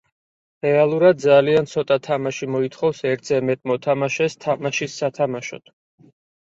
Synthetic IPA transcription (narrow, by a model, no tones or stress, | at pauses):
ɾɛalˠuɾad̪̚d̪zaliant̪sʰɔt̪ʼat̪ʰamaʃimɔit̪ʰχɔfsɛɾt̪ʰzɛmɛt̪ʼmɔt̪ʰamaʃɛst̪ʰamaʃisːat̪ʰamaʃɔ̰t̪ʰ